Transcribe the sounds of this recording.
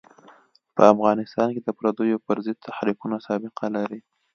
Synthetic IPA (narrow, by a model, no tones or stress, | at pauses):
pə̰afɣɑnɪst̪ɑnked̪əpɾad̪ojopəɾzəd̪̚t̪ʰaxɾiqunasɑbɪqʰalaɾi